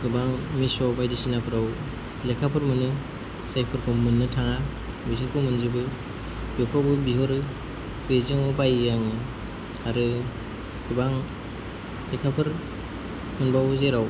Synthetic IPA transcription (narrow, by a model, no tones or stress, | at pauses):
ɡɯbaŋmisɔbajdisinapʰɯɾaw | lekʰapʰɯɾmɯnɯ | sajpʰɯɾkʰɔmɯnːɯtʰaŋa | bis̬ʰakʰɯmɯnzibɯ | bjɔkʰɔbɯbiɦɔɾɯ | bezeŋɔbajjaŋɯ | aɾɯ | ɡɯbaŋ | lekʰapʰɯɾ | mɯnbawzeɾaw